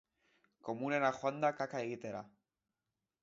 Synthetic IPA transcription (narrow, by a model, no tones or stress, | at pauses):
komunenaxwand̪akakaeɣit̪eɾa